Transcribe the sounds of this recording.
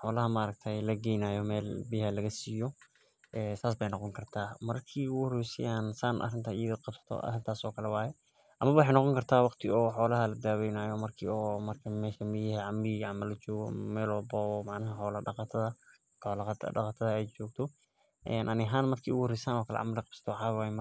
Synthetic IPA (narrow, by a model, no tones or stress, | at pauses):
ħɔːlɐɦɐmɐɐɾɐɡ̚t̪ʰɛjlɐɡɛjnaːjɔmɛːlbɪhɐlɐɣɐsiːjɔ | ʔɛːsaːs̬bɛjnɔqɔŋkʰɐrt̪ʰaːmɐrkʰiːʊɣrɛjsɪ̰jaːnsaːnʔɐ̰rɪnt̪ʰaɪjɐðɐqɑbsɐ̥t̪ʰɔ̰ʔɐ̰rɪnt̪ʰaːsɔːkʰɐlɛwɑːjɛ | ʔɐmɐβɐwʊħejnɔqɔŋkʰɐrt̪ʰaːwɑqt̪ʰɪɔːħɔːlɐɦɐlɐd̪aːwɛjnaːjɔmɐrkʰiːɔːmɐrkʰɐmɛːʃɐmɪjɪhɛʕɑmɪʕɑmɐlɐt͡ʃɔːɣɔmɛːlɔːbɔːɔmɑʕnɐɦɐħɔːlɐɖɑqɑt̪ʰɐðɐ | ɔlt̪qɑt̪ʰɐðɐɛjt͡ʃɔːɡt̪ʰɔ | ʔɛːnʔɐnɪɦaːnmɐrkʰiːuɣʊhɾɛjsaːnɔːkʰɐlɛ̰ʕa̰mɐlɪqɑbsɐ̥t̪ʰɔwħaːjm